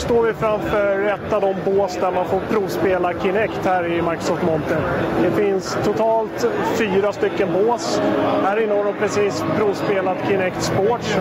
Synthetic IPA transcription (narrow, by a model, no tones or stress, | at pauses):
st̪oːɾvɪfɾamfœɾɛt̪ːavd̪ɔmboːsd̪æɾmanfɔɾpʰɾuːvspeːlakʰɪnɛkt̪hæːɾɪmaɾkɾʊ̥sɔft̪mɔnt̪əd̪ɛfɪnst̪ʰʊt̪ʰɑːlt̪fyːɾast̪ʏkːənboːshæːɾɪnːəhaɾd̪ɔmpʰɾɛsiːspʰɾuːvspeːlat̪kʰɪnɛkt̪spoːʈʂ